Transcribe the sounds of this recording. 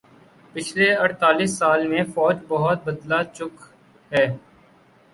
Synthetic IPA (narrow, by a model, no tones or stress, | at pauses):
pɪt͡ʃʰleɐɽt̪aːlisːaːlmẽfɔːd͡ʒbɐɦʊt̪̚bɐd̪lat͡ʃʊk | ɦɛː